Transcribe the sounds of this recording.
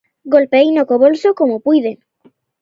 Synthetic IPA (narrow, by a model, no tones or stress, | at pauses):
ɡolpeejnokoβolsokomopujðeŋ